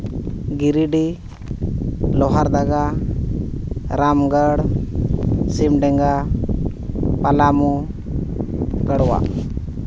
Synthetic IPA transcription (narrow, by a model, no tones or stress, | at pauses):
ɡiɾiɖi | lɔɦaɾd̪aɡa | ɾamɡəɽ | simɖɛŋɡa | palamu | ɡəɽwa̰